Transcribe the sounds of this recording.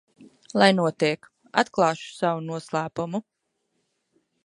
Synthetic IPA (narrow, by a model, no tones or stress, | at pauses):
lˠajnuɔt̪iɛk | at̪klˠɑːʃu̥sawunuɔslˠæːpumu